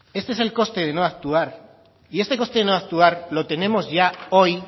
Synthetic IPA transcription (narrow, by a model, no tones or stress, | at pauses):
e̞st̪eeselko̞st̪e̞ð̞e̞noak̚t̪uaɾ | ie̞st̪e̞ko̞st̪eenoak̚t̪uaɾlo̞t̪e̞ne̞mo̞zʝao̞j